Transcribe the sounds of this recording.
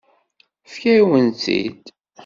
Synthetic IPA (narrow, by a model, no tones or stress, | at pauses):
fkæwənθḭd̪